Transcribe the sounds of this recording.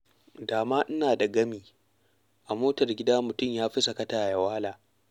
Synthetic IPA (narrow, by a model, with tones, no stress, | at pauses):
daː˨maː˦ʔɪ˦naː˨dɐ˨ɡɐ˦miː˨ | ʔa˨moː˦tɐ˨rɡʲɪ˦daː˦mʊ˨tʊ˦˨mjaː˦ɸi˦sɐ˨kɐ˦taː˨ja˨waː˦laː˨